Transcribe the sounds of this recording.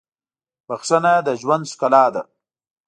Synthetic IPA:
waxsanad̪əʒwand̪sʊ̥kalaːd̪a̰

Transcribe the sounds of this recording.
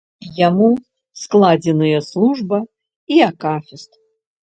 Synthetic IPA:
jamu | sklˠad͡zʲɛnɨjɐslˠuʐbɐ | iakafʲɛst̪

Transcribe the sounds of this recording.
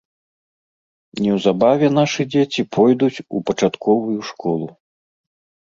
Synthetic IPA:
nʲɛwzabavʲɛn̪aʂɨd͡zʲet͡sʲipʰɔjd̪ut͡sʲupɐt͡ʂat̪kʰɔvujuʂkɔlˠu

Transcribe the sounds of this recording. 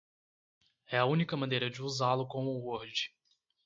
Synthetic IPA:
ɛɐũnikɐmɐ̃nejɾɐd͡ʒɪuzalʊkõmʊːoɾd͡ʒɪ̥

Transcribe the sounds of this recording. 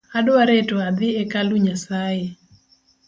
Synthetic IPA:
adaɾɛtɔad̪ɪɛkaluɲasaje

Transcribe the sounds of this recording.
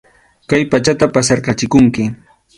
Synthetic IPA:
kajpat͡ʃat̪apasɑɾkɑt͡ʃɪkʊŋkɪ

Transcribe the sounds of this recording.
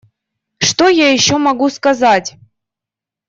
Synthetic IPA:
ʂt̪ojajɪɕːomɐɡuskɐzatʲ

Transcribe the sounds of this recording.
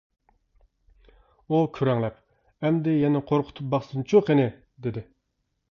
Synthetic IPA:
ukʲʰyɾɛŋlɛp | ɛmd̪ɪjɛnɪqʰoɾqʰʊ̥t̪ʰup̚bɑχsɨnt͡ʃʰoqenɪ | d̪ed̪ɪ

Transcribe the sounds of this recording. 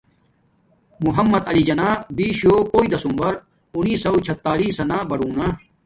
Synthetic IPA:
muɦɐmːɐd̪ɐlid͡ʑɐnaːbiːɕjoːpoːid̪ɐsumbɐɾ | uniːsɐwt͡ɕʰɐt̪ːaːliːsɐnaːbɐɽuːna

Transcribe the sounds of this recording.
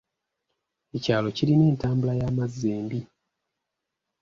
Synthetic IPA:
e̞caːlo̞ciɾine̞ːntaːmbulajaːmazːeːmbi

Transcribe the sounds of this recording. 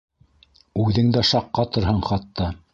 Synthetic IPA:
ʉðɘŋd̪æʃɑqːɑt̪ɤ̆ɾhɤɴχɑt̪ːɑ

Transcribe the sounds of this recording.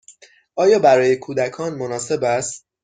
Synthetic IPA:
ʔɒːjɒːbæɾɒːje̞kʰuːd̪ækʰɒːnmonɒːse̞bæst̪

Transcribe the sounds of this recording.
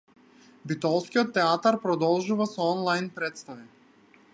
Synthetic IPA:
bit̪ɔlˠskʲiɔt̪ːɛat̪aɾpɾɔd̪ɔlˠʒuvasɔɔnlˠajnpɾɛt̪st̪avi

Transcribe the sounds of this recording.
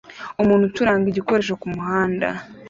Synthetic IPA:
umuːn̥hutuɾaːŋɡiɟiko̞ɾe̞ʃ̬ekumuhaːnda̰

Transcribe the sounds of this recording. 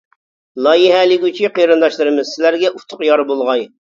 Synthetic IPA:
lˠɑjiɦɛlɪkʲyt͡ʃʰiqʰəjɾɨnd̪ɑʃlˠɨɾɨmɨzsɪlæɾɡʲɛʔut̪ʰʊqjɑɾbolˠʁɑj

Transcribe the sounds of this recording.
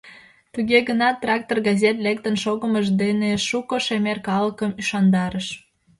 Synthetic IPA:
t̪uɣeɣənɑt̪ːrɑk̚t̪orɣɑzʲet̪lek̚t̪ənʃoɣəməʒd̪eneʃukoʃemerkɑləkəmyʃɑnd̪ɑɾəʃ

